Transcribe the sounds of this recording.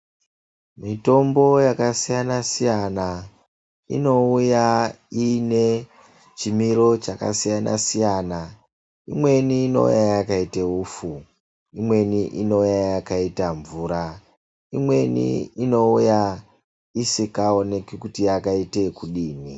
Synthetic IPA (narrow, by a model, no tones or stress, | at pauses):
mito̞mbo̞jakasijanasijana | ḭno̞uja | ine̞ | t͡ʃimiɾo̞t͡ʃaka̰sijana̰sijana | imwe̞niːno̞̰ṵjajakaiteufu | imwe̞niʔino̞jajakaitaɱvuːɾa | imwe̞nḭino̞uja | isikaone̞kikutijakaite̞kuɗiːni